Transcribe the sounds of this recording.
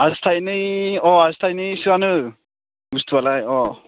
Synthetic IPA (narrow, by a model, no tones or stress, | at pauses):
astʰajnɯjɔastʰajnɯjsɯanɯ | bust̪ʰubalajɔ